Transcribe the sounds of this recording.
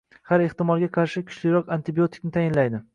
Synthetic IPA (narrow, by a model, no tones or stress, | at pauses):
haɾeht̪ɪmɒlˠɡʲaqʰɑɾʃɪkʲʰʊ̥t͡ʃlɪɾɒqant̪ʰɪbio̞t̪ʰɪ̥k̚ʲnɪt̪ʰajɪnlajd̪ɪ